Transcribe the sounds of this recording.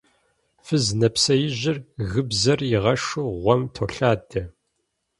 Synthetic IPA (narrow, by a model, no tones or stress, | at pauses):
fɨznɐpsɐjɪʑɪrɣɨbzɐrjɪʁɐʂuʁʷɔmtʰoːɬaːdɐ